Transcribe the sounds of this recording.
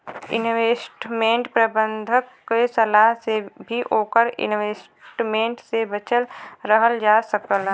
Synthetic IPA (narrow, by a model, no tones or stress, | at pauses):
ɪ̰nʋeːsʈmẽːɳʈpɾɐbə̃nd̪ʱəkː | esɐlaːɦsebʱiʔoːkəɾɪ̰nʋeːs | ʈmẽːɳʈsebət͡ʃəlɾəɦəld͡ʒaːsəkəl